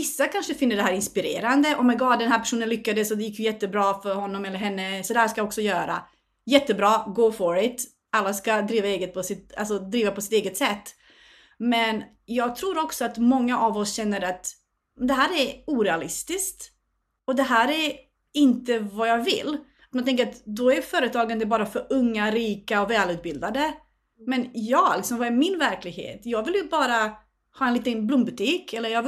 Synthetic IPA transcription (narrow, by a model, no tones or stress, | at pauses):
vɪsːakʰanʂəfɪnːəɖɛɦæːɾɪnspɪɾḛːɾand̪əʔɔmːɛɡɑːd̪ɛnhæːɾpʰæ̥ʂuːnənlʏkːad̪əsɔd̪ɛjɪkːjɵjɛt̪ːəbɾɑːfœɾhɔnːɔmɛlːəɾɦɛnːəsɔd̪ɛhæːʂkajɔksɔjœːɾa̰ | jɛt̪ːəbɾɑːɡoːfɔɾɪt̪ | alːaskad̪ɾiːvaeːɡət̪̚pʰɔsɪt̪a̰lsɔd̪ɾiːvapʰɔsɪ̥t̪eːɡət̪sɛt̪ː | mɛn | jɑːɡ̚t̪ʰɾuːɾɔksɔat̪mɔŋːaʔavɔsɕɛnːəɾat̪ | d̪ɛɦæːɾæɾuːɾɛalɪst̪ɪskt̪ | ɔd̪ɛɦæːɾæɾ | ɪnt̪əvajɑːvɪ̰lː | at̪manɛŋk̬əɾat̪d̪ɔæjfœːɾət̪ʰɑːɡand̪əbɑːɾafœɾɵŋːaɾiːkaɔvɛːlʉ̟ːt̪̚bɪld̪ad̪ə | mɛnjɑːɡlɪksɔmvɑæɾmɪnvæɾklɪɡhḛːt̪jɑːɡvɪljɵbɑːɾa | hɑːɛnliːt̪ənblʊmbɵt̪ʰiːkɛlːəɾjɑːɡv